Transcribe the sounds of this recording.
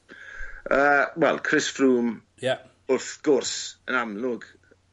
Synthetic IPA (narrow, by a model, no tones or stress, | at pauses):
əːwɛ̰lˠkʰrɪsfruːm | ja | ʊrθɡ̥ʊrsənamlʊɡ